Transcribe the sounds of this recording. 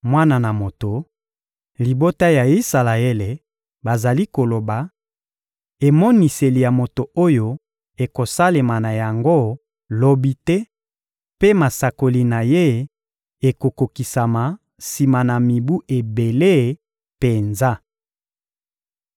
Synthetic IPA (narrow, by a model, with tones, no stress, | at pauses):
mwa˦na˨na˨mo˨to˨ | li˨bo˦ta˦ja˨i˦sa˨la˨e˦le˨ | ba˨za˨li˦ko˨lo˨ba˨ | e˨mɔ˦ni˨se˨li˨ja˨mo˨to˨o˦jo˦ | e˨ko˨sa˦le˨ma˨na˨ja˨ŋɡo˦ | lo˦bi˦tɛ˦ | pe˦ma˨sa˨ko˨li˨na˨je˦ | e˨ko˨ko˨ki˨sa˨ma˨ | si˨ma˨na˨mi˨bu˦ʔe˨be˨le˦˨ | pe˨nza˦